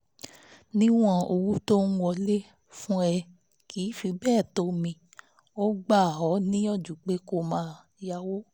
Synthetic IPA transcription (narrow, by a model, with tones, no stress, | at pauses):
nĩ˦w̃ɔ̃˧o˧wu˦to˦n̩˦wɔ˧le˦ | fũ˦ɛ˧ | kʰi˨˦fi˧bɛː˦˨to˧˦mĩ˧ | o˦ɡ͡ba˦˨ɦɔ˨˦nĩ˦ɔ˦˨d͡ʒu˨k͡pe˨˦ko˦˨mãː˧˦ | ja˧wo˦